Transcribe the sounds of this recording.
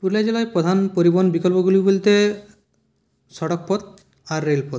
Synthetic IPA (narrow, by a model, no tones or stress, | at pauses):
puɾlad͡ʑelaepɾod̪ʱanpoɾibonbikolpoɡulibolt̪e | sɔɽok̚pɔd̪̚ | aɾːelpot̪